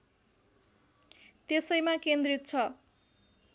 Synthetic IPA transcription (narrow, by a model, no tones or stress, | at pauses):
t̪esʌjmakend̪rit̪̚t͡sʰʌ